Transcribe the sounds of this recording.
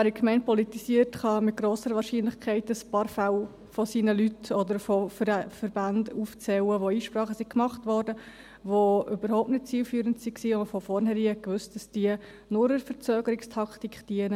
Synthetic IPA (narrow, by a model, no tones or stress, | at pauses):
ʋæːɾikmɛɪnt̚pɔlitisiəɾtχɑmɪt̚ɡ̥ɾoːsəɾəʋɑːɾʃiːnlɪχkʰɛɪtəspɑːɾfaw | fɔsiːnəlytʰɔdəɾfofəɾɛfəɾbanduːft͡sɛwəʋoiːʃpɾɑːχəsikmɑχtvɔɾdə | ʋoʔʏbəɾhɔʊp̚tnɪt̚t͡siːlfyːɾəntsiksiːoməfɔfɔrnhɛɾiːhɛkʋɵst̚d̥ɑsd̥iə | nʊɾəɾfəɾt͡søːɡ̥əɾɪkstʰɑktikχd̥iənə